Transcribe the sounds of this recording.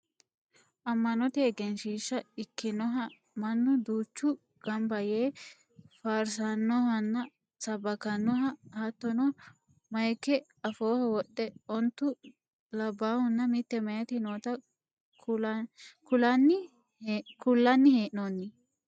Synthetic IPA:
ʔɐmːɐnɔt̪eːɡɛnʃiːʃːɐɪkːɪnɔɦɐ | mɐnːʊd̪uːt͡ʃːʊ | ɡ̥ɐmbɐjeː | faːɾsanːɔhɐnːɐ | sɐbːɐkɐnːɔɦɐhɐt̪ːɔnɔ | mɐjkːɛ | ɐfoːhɐwɔɗɛɔnt̪ːʊ | lɐbːaːhʊnːɐmɪt̪ːɛmɐjɐt̪ɪnoːt̪ɐ | kʊlɐnːɪ | kʊlːɐnːɪheːʔnoːnːɪ

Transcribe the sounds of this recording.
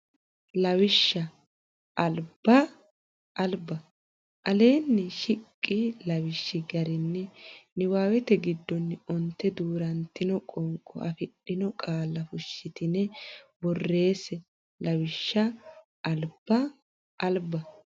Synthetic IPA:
lɐwɪʃːɐ | ʔɐlb̥ɐ | ʔɐlbɐ | ʔɐle̞ːnːɛʃɪkʼːɪlɐwɪʃːɪɡɐɾɪnːɛnɪwaːwɛt̪ɛɡɪd̪ːɔnːɪɔnt̪ːɛd̪uːɾɐnt̪ːɪnɔkʼɔŋkʼːɔ̰ɐfɪɗːɪnɔkʼaːlːɐfʊʃːɪt̪ɪnɛbɔrːe̞ːsɛ | lɐwɪʃːɐ | ʔɐlb̥ɐ | ʔːlbɐ

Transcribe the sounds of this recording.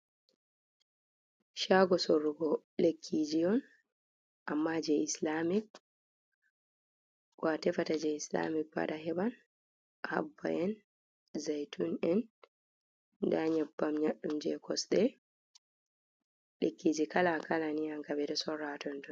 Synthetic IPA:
ʃaɡɔsorːuɡɔ | lekʰːid͡ʒijɔn | ʔamːad͡ʒɛislamik̚ | ɡatɛfatad͡ʒɛisla̰mik̚ba̰daɦɛban | ha̰bːa̰ʔɛn | zajtʰunɛn | daɲabːamɲaɗːumd͡ʒɛkʰɔsɗɛ | lekːid͡ʒikalakalaniaŋkabɛɾɛsɔɾatɔndɔn

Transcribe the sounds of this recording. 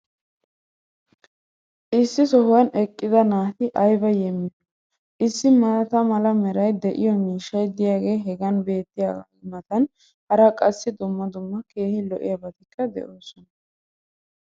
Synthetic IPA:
ʔɪsːɪsɔhʊjɐnɛkʼːɪd̪ɐnaːt̪ɪʔɐjbɐjɛmːɪnɔ | ʔɪsːɪmɐt̪ɐmɐlɐmɛɾɐjd̪ɛʔɪ̰jɔmiːʃːɐjd̪ɪjaːɡe̞ːɦɛɡɐnbe̞ːt̪ːɪja̰ːɡa̰ | mɐt̪ɐn | hɐɾɐkʼɐsːɪd̪ʊmːɐd̪ʊmːɐke̞ːhɪlɔ̰ʔɪ̰jɐbɐt̪ɪkːɐd̪ɛ̰ʔoːsɔnɐ

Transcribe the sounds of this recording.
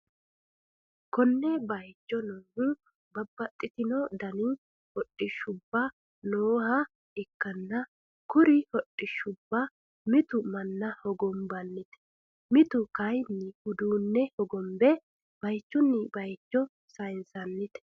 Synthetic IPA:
kɔnːɛbɐjt͡ʃːɔnoːhʊ | bɐbːɐt̪ʼːɪt̪ɪnɔd̪ɐni | hɔtʼːɪʃːʊbːɐ | noːhɐ | ɪkːɐnːɐ | kʊɾɪhɔtʼːɪʃʊbːɐ | mɪt̪ʊmɐnːɐhɔɡɔmbɐnːɪt̪ɛ̥ | mɪt̪ʊkɐjnːɪhʊd̪uːnːɛhɔɡɔmbɛ | b̥ɐjt͡ʃːʊnːɪbɐjt͡ʃːɔ | sɐjnsɐnːɪt̪ɛ̥

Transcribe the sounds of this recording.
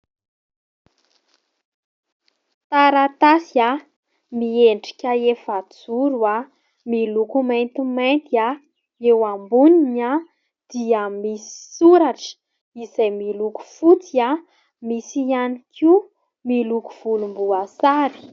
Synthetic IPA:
t̪aɾat̪asia | mieɳɖ͡ʐi̥kʲaefad͡zuɾua | milukumajnt̪imajnt̪ia | ewambunina | d̪̥iamisi̥suɾaʈ͡ʂə̥ | izajmiluku̥fut͡sia | misianikʰi | miluku̥v̥ulumbuasaɾi̥

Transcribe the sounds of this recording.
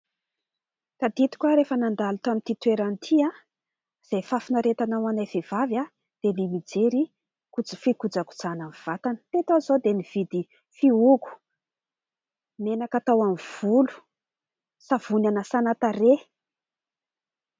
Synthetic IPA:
kad̪it̪i̥kʲaɾefənand̪alut̪amint̪it̪weɾanit̪ʰia | z̥ajfafinaɾet̪anawanajvev̥avja | d̪̥enimid͡zeɾi | kud͡zəfikud͡zaku̥d͡zanamiv̥at̪anə̥t̪et̪azod̪eniv̥id̪i | fiuku̥ | nenakat̪awamv̥ulu̥ | sav̥unanəsanat̪are

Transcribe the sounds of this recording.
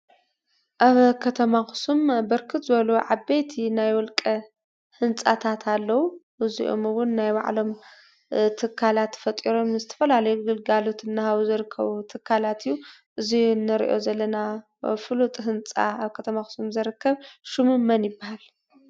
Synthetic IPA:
ʔaβkʰɐt̪ʰɐmaxɨ̥sumbɐɾkʰɨt̪zɨɐluʕabejt̪ʰinajwɔlkʼɐ | hɨnt͡sʼat̪ʰat̪ʰalːɐwuʔɨzḭʔo̰mɨwʊnːajba̰ʕlo̞m | t̪ʰɨkʰːalat̪fɐt̪ʼiɾo̞mnɨzɨt̪ʰɐ̥fɐlalɐjuɡɨlɡalot̪ɨnːahaβuzɨɾɨkʰːɐβut̪ʰɨkʰːalat̪ʰijːu | ʔɨzinːɨɾḭʔo̞̰zɐlːɐna | fɨlut̪ʼɦɨnt͡sʼa̰aβkʰɐt̪ʰɐmaxɨ̥sumzɐɾɨkʰːɐβʃɨmɨmːɐnjɪbːahal

